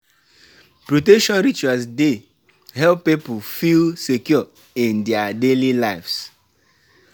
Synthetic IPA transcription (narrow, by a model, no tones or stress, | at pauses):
pɹotɛkʃɔ̃nɾit͡ʃuasde | ɦɛlpːipʊfilsekjɔ | ĩndɛadelilaɪfs